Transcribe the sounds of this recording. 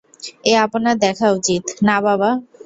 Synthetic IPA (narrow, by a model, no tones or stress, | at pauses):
eaponad̪ɛkʰaut͡ɕit̪nababa